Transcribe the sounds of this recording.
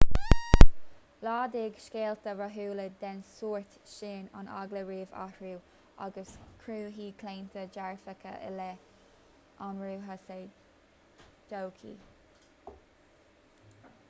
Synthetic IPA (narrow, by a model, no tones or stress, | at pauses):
lɑːd̪ɪːɡʃkeːlt̪əɹaɦuːləd̪ɛnsuːɹt̪ʃeːna̰na̰ɡləɹiːva̰hɹuː | a̰ɡəskʰɹuːɦiːkʰleːnt̪ʰəd͡ʒaɹfəkʰə̰ʔɪ̰lɛ | ʔanɹuːɦase | d͡ʒowkʰḭː